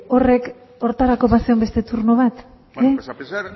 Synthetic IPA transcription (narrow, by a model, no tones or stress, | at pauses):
o̞re̞k | o̞ɾt̪aɾako̞βaseo̞mbe̞st̪e̞t̪uɾno̞β̞at̪ | e